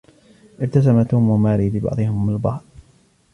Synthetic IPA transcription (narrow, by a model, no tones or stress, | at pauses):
ʔɪɾt̪as̬amat̪uːmamaːɾiːlɪbɑ̰ʕd̪ˤɨhɪmalbɑhɾ